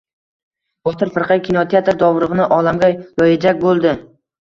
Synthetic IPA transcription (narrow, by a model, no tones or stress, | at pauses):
bɒt̪ʰɪɾfɨɾqʰajkʲʰinot̪ʰeat̪ɾd̪ɒvɾɨʁɨnɪʔɒlamɡʲajɒjad͡ʒakʲbolˠd̪ɪ